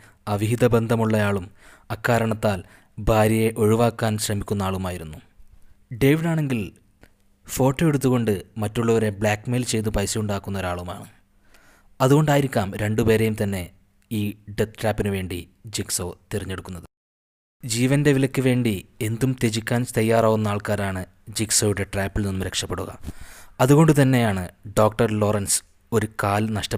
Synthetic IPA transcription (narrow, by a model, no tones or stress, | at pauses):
ɐʋiɦid̪ɐbe̞nd̪ʱɐmuɭːɐjaːɭumɐkːaːɾɐɳɐt̪ːaːl | bʱaːɾjɐjeʔo̞ɻiʋaːkːaːnɕrɐmikʲːunːɐaːɭumaːjiɾunːu | ɖe̞ʋiɽaːɳe̞ŋɡil | fo̞ːʈːo̞ːeɽut̪ːuɣo̞ɳɖɨmɐtːuɭːɐʋɐɾe̞bɭaːkme̞ːlt͡ɕe̞jt̪̬upɐjsuuɳɖaːkːunːɐoɾaːɭuma̰ːɳɨ | ɐðuɣo̞ɳɖaːjiɾikʲːaːmɾe̞ɳɖupe̞ːɾejumt̪ɐnːe̞ | iːɖet̪ɾaːpːinɨʋe̞ːɳɖḭd͡ʑikso̞ːt̪eriɲːe̞ɽukːunːɐðɨ | d͡ʑiːʋɐndeʋilɐkʲːɨʋe̞ːɳɖie̞nd̪umt̪e̞d͡ʑikʲːaːnst̪ɐjːaːraːʋunːɐaːɭkaːɾaːɳɨ | d͡ʑikso̞ːjuɽe̞ʈraːpːilninːumɾe̞kʂɐpːe̞ɽuɣɐ̰mɐðuɣo̞ɳɖɨt̪̬ɐnːe̞jaːɳɨɖo̞ːkʈɐrlo̞ːrɐns | o̞ɾukaːlnɐʂʈɐ